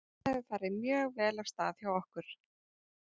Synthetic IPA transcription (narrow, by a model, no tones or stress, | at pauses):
ɛvɪθaɾːɪmjœːɣvɛːlav̥st̪a̰ːðθjawɔhkʏɾ̥